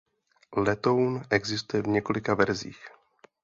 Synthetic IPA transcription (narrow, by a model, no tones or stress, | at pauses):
lɛt̪o̞wnʔɛɡzɪst̪ujɛvɲɛko̞lɪkavɛɾzḭːx